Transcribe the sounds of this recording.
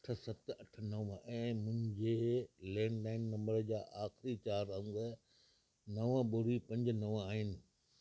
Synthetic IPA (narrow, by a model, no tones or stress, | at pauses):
ɐʈʰə̆sɐt̪ɐʈʰnɐʋɛ̃ːmʊ̃ɦɪ̃ɲd͡ʑelɛ̃ːɳɖlaːɪnːɐ̃mbəɾd͡ʑaːʔaːxɪɾit͡ɕaːɾɐ̃ŋɡə | nɐʋəbʊɾipɐ̃ɲd͡ʑnɐʋaːɦɪnɪ̆